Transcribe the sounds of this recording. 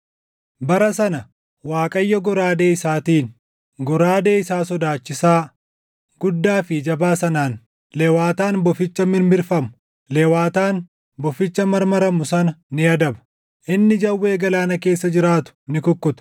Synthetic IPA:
bɐɾɐsɐnɐ | waːkʼɐjːɔɡɔɾaːd̪e̞ːɪsaːt̪iːn | ɡɔɾaːd̪e̞ːɪsaːsɔd̪aːt͡ʃːɪsaː | ɡ̥ʊd̪ːaːfɪd͡ʒɐbaːsɐnaːn | leːwaːt̪aːnbɔfɪt͡ʃːɐmɪnbɪɾfɐmʊ | leːwaːt̪aːn | bɔfɪt͡ʃːɐmɐɾmɐɾɐmʊsɐnɐnɪɐd̪ɐbɐ̥ | ʔɪnːɪd͡ʒɐwːe̞ːɡɐlaːnɐke̞ːsːɐd͡ʒɪɾaːt̪ʊ̥nɪkʊkːʊt̪ʊ̥

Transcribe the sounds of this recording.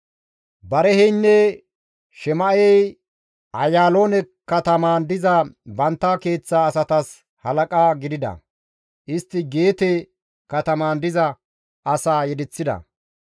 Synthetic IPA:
bɐɾɛhɛjnːɛ | ʃɛmɐʔɛj | ʔɐjaːlo̞ːnɛ | kːɐt̪ɐmaːnd̪ɪzɐbɐnt̪ːake̞ːt͡sːaːsɐt̪ɐs | hɐlɐkʼaːɡɪd̪ɪd̪ɐ̰ | ʔɪst̪ːɪɡe̞ːt̪ɛ | kɐt̪ɐmaːnd̪ɪzɐ | ɐsaːjɛd̪ɪt͡sːɪd̪ɐ̰

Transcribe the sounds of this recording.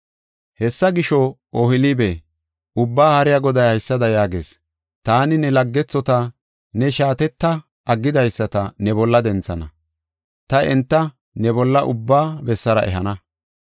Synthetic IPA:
hɛsːɐɡɪʃɔ | ʔoːhɪlibe | ʊbːaːhɐɾɪjaɡɔd̪ɐjhɐjsːɐd̪ɐjaːɡe̞̰ːs | t̪aːnɪnɛlɐɡːɛt͡sːɔt̪ɐ | nɛʃaːt̪ɛt̪ːɐ | ʔɐɡːɪd̪ɐjsːɐt̪ɐnɛbɔlːɐd̪ɛnt͡sːɐnɐ̰ | t̪ɐʔɛnt̪ːɐ | nɛbɔlːɐʔʊbːaːbɛsːɐɾɐʔɛ̰ɦɐnɐ

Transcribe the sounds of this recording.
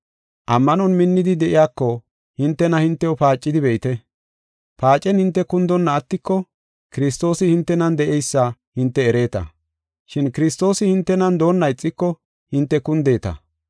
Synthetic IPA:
ʔɐmːɐnɔnmɪnːɪd̪ɪd̪ɛʔɪjaːkːɔ | hɪnt̪ːɛnɐhɪnt̪ːɛɔpaːt͡ʃʼːɪd̪ɪbɛʔɪt̪ɛ | paːt͡ʃʼːɛnhɪnt̪ːɛkʊnd̪ɔnːɐːt̪ːɪkːɔ | kɪɾɪs̬t̪o̞ːsɪhɪnt̪ːɛnɐnd̪ɛʔɛjsːɐ | hɪnt̪ːɛːɾe̞ːt̪ɐ̰ | ʃɪnkɪɾɪst̪o̞ːsɪhɪnt̪ːɛnɐnd̪o̞ːnːɐɪt͡sʼːɪkːɔ | hɪnt̪ːɛkʊnd̪e̞ːt̪ɐ̰

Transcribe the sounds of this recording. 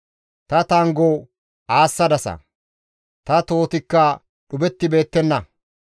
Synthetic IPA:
t̪ɐt̪aŋɡo | aːsːɐd̪ɐsɐ̰ | t̪ɐt̪o̞ːt̪ɪkːɐ | ɗʊbɛt̪ːɪbe̞ːt̪ːɛnːɐ

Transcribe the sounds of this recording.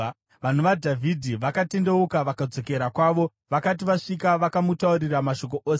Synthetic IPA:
ʋan̤uʋadʱavʱidʱiʋakatende̞ukaʋakad͡zo̞ke̞ɾakwaːʋo̞ | ʋakat̬iʋaʂikaʋakamutauɾiramaʃo̞k̬o̞ʔoːs

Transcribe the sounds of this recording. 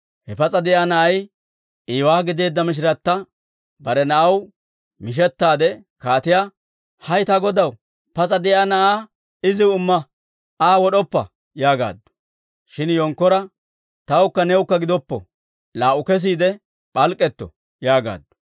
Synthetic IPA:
hɛpɐt͡sʼɐd̪ɛʔaːnɐʔɐj | ʔiːwaːɡɪd̪e̞ːd̪ːɐmɪʃ̬ɾɐt̪ːɐ | bɐɾɛnɐʔɐw | mɪʃ̬ɛt̪ːaːd̪ɛkaːt̪ɪja | hɐjt̪ɐɡɔd̪ɐw | pɐt͡sʼɐd̪ɛʔaːnɐʔaː | ɪzɪʊmːɐ | aːwɔɗɔpːɐ̰ | jaːɡa̰ːd̪ːɔ̥ | ʃɪnjɔŋkːɔɾɐ | t̪ɐwʊkːɐnɛwʊkːɐɡɪd̪ɔpːɔ̰ | laːʔʊkɛs̬iːd̪ɛ | pʼɐlkʼːɛt̪ːɔ̰ | jaːɡa̰ːd̪ːʊ̥

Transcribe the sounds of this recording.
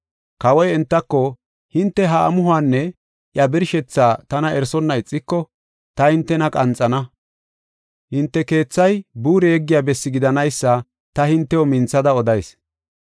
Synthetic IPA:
kɐwɔjɛnt̪ːɐkːɔ | hɪnt̪ːɛɦɐ̰ːmʊɦʊaːnːɛ | ʔjɐbɪɾʃɛt͡sːaːt̪ɐnɐʔɛɾsɔnːɐɪt͡sʼːɪkːɔ | t̪ɐhɪnt̪ːɛnɐkʼɐnt͡sʼːɐnɐ | hɪnt̪ːɛke̞ːt͡sːɐjbuːɾɛjɛɡːɪjaːbɛsːɪɡɪd̪ɐnɐjsːɐ | t̪ɐhɪnt̪ːɛwɔmɪnt͡sːɐd̪ɐɔd̪ɐjs

